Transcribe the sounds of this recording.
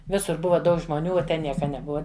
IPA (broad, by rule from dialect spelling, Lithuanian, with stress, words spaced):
ˈʋʲɪsʊr ˈbʊʋɐ ˈdɐʊk ʒmoːˈnʲuː oː ˈtʲɛn ˈnʲiɛkɐ nʲɛˈbʊɐ